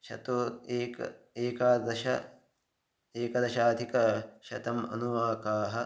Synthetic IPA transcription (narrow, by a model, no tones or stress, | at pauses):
ʃɐ̰t̪oːt̪eːk | eːkaːd̪ɐʃɐ̰ | eːkɐd̪ɐʃaːd̪ʱikɐʃɐ̰t̪ɐmɐ̰nuʋaːkaːɦɐ